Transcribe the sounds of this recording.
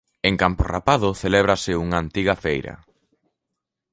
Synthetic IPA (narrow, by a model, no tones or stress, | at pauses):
eŋkampora̰paðʊθelɛβ̞ɾɐsɪuŋaːnt̪iɣɐfejɾɐ̰